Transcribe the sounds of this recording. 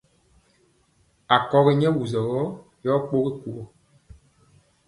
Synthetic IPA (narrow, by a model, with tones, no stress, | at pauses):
a˨kɔ˨ɣi˦ɲɛ˦wu˨zɔ˨ɣɔ˦ | jɔ˦k͡po˦ɣi˦ku˨ɡɔ˨